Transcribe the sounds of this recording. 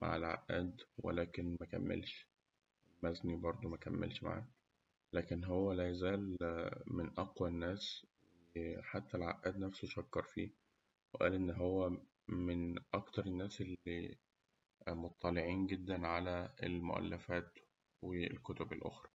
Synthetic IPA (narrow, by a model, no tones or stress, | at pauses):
ma̰ʕelʕa̰ʔʔæːd̪wḛlæːkenmækæ̰mːḛlʃ | lmæznibɑɾˤd̪ˤomækæmːḛlʃma̰ʕa̰ːk | læːkenɦowːælæjæzæːlmenʔɑqwænːæːs | ħat̪ːælʕa̰ʔæːd̪næfsoʃɑkːɑɾˤfḭː | weʔæ̰ːlʔenːɦowːæ | menʔɑkt̪ɑɾˤenːæːsʔelːi | mot̪ˤːɑleʕiːnɡed̪ːænʕalæḛlmo̰ʔæ̰lːæfæːt̪ | wḛlkot̪obelʔo̰xɾˤɑ̥